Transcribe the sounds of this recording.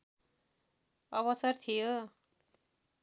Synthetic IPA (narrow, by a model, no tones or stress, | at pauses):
ʌβʌsʌrt̪ʰijo